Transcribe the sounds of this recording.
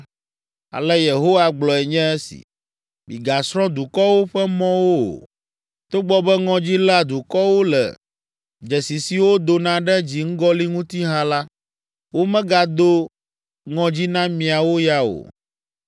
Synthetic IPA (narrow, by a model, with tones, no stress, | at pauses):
a̰˨lɛ˦je˨ɦo˦wa˦ɡ͡blɔ˨ɛ˨ɲɛ̃˦ɛ˦sḭ˨ | bḭ˨ɡa˨sɾɔ̃˦d̪u˨kɔ˦wo˦ɸɛ˦mɔ̃˦wo˦o̰˨ | t̪o˦ɡ͡bɔ˨bɛ˦ŋɔ̃˨d͡ʑi˦la˨d̪u˨kɔ˦wo˦lɛ̰˨ | d͡ʒɛ˨si˨si˨wo˦d̪o˨nã˦ɖɛ˦d͡ʑi˨ŋ̩˦ɡɔ˦li˦ŋũ˦t̪i˦ɦã˦la˦ | wo˦mɛ̃˦ɡa˨d̪o˦ | ŋɔ̃˨d͡ʑi˦nã˦mĩ˨a˨wo˦ja˦o̰˨